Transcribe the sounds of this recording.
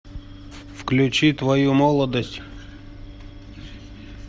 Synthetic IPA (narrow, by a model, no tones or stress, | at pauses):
fklʲʉt͡ɕit̪vɐjumɔlˠəd̪əsʲtʲ